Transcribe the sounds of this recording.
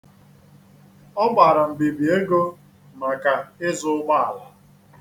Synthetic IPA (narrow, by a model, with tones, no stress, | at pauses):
ɔ˦ɡ͡ba˨ɾa˨m̩˨bi˨bi˨e˦ɡo˦ | na˨ka˨ɪ˦zʊ˦ɡ͡ba˦a̰˨la˨